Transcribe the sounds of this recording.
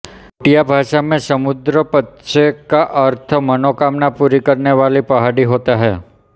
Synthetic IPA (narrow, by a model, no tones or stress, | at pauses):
ʈijabʱaʃamẽsəmʊd̪ɾəpətːʃekaʔəɾt̪ʰəmənokamnapuɾikəɾneʋalipəɦaɽiɦot̪aɦɛ̰